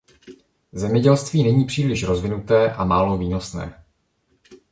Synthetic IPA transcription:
zɛmɲɛɟɛlst̪viːnɛɲiːpr̥iːlɪʃɾo̞zvɪnut̪ɛːʔamaːlo̞viːno̞snɛ̰ː

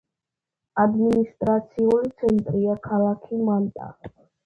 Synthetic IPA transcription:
ad̪minist̪ʼɾat̪sʰiulit̪sʰɛnt̪ʼɾiakʰalakʰimant̪ʼa̰

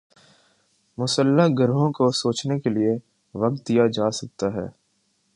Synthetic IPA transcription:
mʊsəlːaɡʱɐɾɦõkosoːt͡ʃnekelie | ʋɐk̚t̪̚d̪ijad͡ʒaːsɐk̚t̪aɦɛ̰ː

